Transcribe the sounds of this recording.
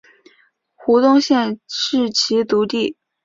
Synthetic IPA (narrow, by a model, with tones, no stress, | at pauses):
xu˧˥t̪ʊ˥˧ŋɕjɛ˥˧nʂɻ̩˥˩t͡ɕʰi˧˥t̪u˧˥t̪i˥˩